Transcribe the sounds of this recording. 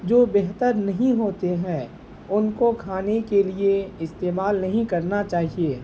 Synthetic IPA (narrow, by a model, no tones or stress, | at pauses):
d͡ʒoːbeɦt̪əɾnɐɦĩɦoːt̪eɦɛ̃ː | ʊnkokʰaːnekelieɪst̪eːmaːlnɐɦĩkɐɾnat͡ʃaːɦieː